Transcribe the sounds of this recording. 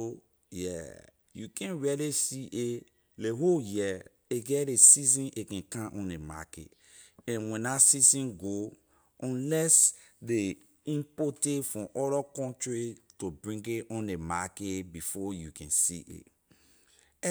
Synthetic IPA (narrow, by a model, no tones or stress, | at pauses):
o | jɛ̰ | jukʰɛ̃nɹɛlesiʔe | leɦojɛ | eɡɛɾesizĩnʔekɛ̃kãʔɔ̃nema̰kḛt | ɛ̃nwɛ̃nasizĩnɡo | ɔ̃nlɛs | de | ĩmpɔtefɹɔ̃mʔɔɾɔkɔ̃ntɹitobɹĩŋɡeɔ̃nemaketbifɔjukɛ̰̃nsḭʔḛ